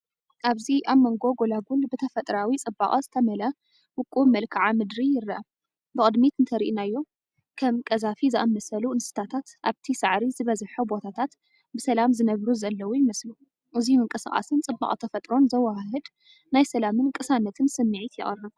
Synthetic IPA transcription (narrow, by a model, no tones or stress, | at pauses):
ʔaβziʔaβmːɐŋɡo̞ɡo̞laɡulbɨt̪ʰɐfɐt̪ʼɾawit͡sʼɨbːa̰χʼɐzɨt̪ʰɐmɐlɐ | wʊkʼːumɐlkʰaʕamɨd̪ɾijɪɾːɐʔɐ | bɨχʼɨd̪mit̪ɨnt̪ʰɐɾiʔinajːo̞ | kʰɐmkʼɐzafizɨʔamːɐsɐluɨnsɨ̥t̪ʰat̪ʰat̪ʔaβt̪ʰisaʕɾizɨβɐzħubo̞t̪ʰat̪ʰat̪ | bɨsɐlamzɨnɐβɾuzɐlːɐwujɪmɐslu | ʔɨziumɨŋkʼɨsɨχʼa̰sɨnt͡sʼɨbːa̰χʼt̪ʰɐfɐt̪ʼɾo̞nzɐwaɦɨd̪ | najsɐlamɨnkʼɨsanɐt̪ʰɨnsɨmːɨʕit̪jɪ̰χʼɨrːɨβ